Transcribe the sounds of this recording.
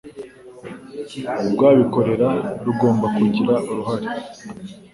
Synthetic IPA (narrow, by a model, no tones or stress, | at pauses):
ubɡwaːβiko̞ɾe̞ɾaɾuɡo̞ːmbakuiɟiɾaʔuɾuɦaɾi